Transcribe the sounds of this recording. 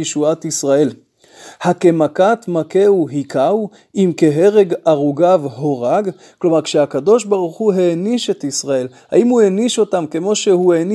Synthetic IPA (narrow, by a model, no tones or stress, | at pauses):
eʃuat̪isʁae̞l | hake̞makat̪make̞uɦikʰaw | imke̞ɦe̞ʁe̞ɡaʁuɡavho̞ʁaɡ | klo̞maʁkʃehakad̪o̞ʃbaʁuχuɦeniʃe̞t̪isʁae̞lha̰imueniʃo̞tamke̞mo̞ʃehueni